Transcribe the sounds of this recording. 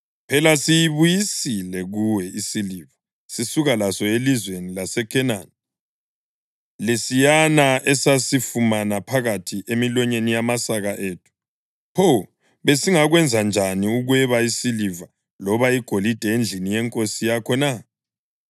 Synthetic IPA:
pʰɛlasijiβujisilɛɣuwɛisiliva | sisuɣalasɔelizwenilasɛkʰɛnan | lesijanaʔɛsasifumanapʰaɣatʰiʔemilɔɲenijamasaɣaʔeːtʰu̥ | hʰo | βesiŋaɣwɛnd͡zʱand͡ʒʱaniuɣwɛβaisiliva | lɔβaiɡ̥ʱolid̥ʱɛend͡ɮʱinijɛŋkʼosijakʰɔna

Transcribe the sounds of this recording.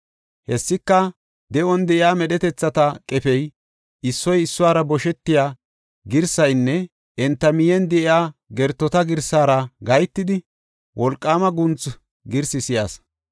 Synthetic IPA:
hɛsːɪkːɐ | d̪ɛʔɔnd̪ɛʔɪaːmɛɗɛt̪ɛt͡sːɐt̪ɐkʼɛfɛj | ɪsːɔjɪsːʊwaːɾɐbɔʃɛt̪ːɪjaː | ɡɪɾsɐjnːɛ | ʔɛnt̪ːɐmɪjɛnd̪ɛʔɪaːɡɛɾt̪ːɔt̪ɐɡɪɾsaːɾɐɡɐjt̪ːɪd̪ɪ | wʔɔlkʼːaːmɐɡʊnt͡s | ɡɪɾsɪsɪjaːs

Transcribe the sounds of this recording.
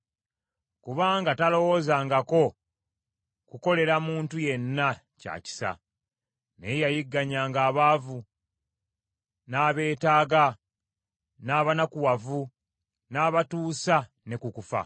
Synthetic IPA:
kuβaːŋɡatalo̞wo̞ːzaːŋɡako̞ | kuko̞le̞ɾamuːntuje̞nːa | ca̰ːci̥sa̰ | nejajiɡːaɲaːŋɡaːβaːvu | naːβe̞ːtaːɡa | naːβanakuwavu | naːβatuːsa | ne̞kukufa̰

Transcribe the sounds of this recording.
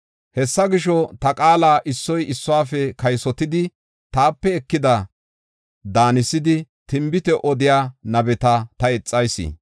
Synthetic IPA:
hɛsːɐɡɪʃɔt̪ɐkʼaːlaːʔɪsːɔjɪsːɔaːfɛkɐjsɔt̪ɪd̪ɪ | t̪aːpːɛːkːɪd̪ɐ | d̪aːnɪsːɪd̪ɪt̪ɪmbɪt̪ɛʔɔd̪ɪjaːnɐbɛt̪ɐt̪ɐɛt͡sʼːɐjsḭ

